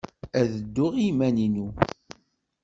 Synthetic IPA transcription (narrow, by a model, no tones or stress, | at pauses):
æðəd̪ːʊʁimæninu